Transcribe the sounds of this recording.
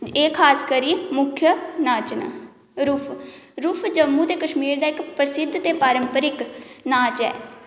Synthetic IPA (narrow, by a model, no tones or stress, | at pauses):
eːkʰaːskəɾiːmʊkʰjənaːt͡ʃn̰ | ɾuːpʰɾuːpʰd͡ʒəmũːt̪eːkəʃmiːɾd̪aːɪkpɾəsɪd̪ʱːt̪eːpaːɾəmpəɾɪknaːt͡ʃɛ̰ː